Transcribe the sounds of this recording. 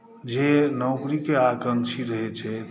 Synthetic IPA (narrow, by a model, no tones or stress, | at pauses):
d͡ʒenəʊkɾikeakɾəmt͡ʃʰiɾəɦɛt͡ʃʰɛt̪